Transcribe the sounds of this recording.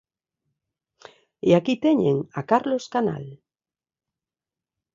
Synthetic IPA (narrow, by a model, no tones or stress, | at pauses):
eakit̪eɲḛŋakaɾloskana̰l